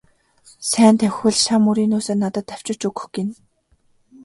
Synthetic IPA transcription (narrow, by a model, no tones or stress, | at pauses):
sæːnt̪ʰæwxɘ̆ɮʃamːuɾiːnuːseːnːat̪ə̆t̪ːæw̥t͡ɕɪ̆t͡ɕɵɡɵ̥̆xɡɪ̆n